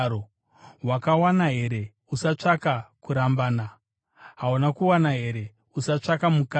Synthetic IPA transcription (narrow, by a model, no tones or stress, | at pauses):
o | wakawanaɦe̞ɾe̞ | usat͡ʂakakuɾambaːna | ɦaunakuwanaɦe̞ɾe̞ | usat͡ʂakamuka